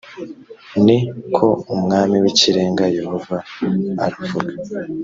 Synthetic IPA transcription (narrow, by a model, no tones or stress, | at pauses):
nikʰo̞umŋaːmiwiciɾe̞ːŋɡaje̞hova̰ːɾuvuɡa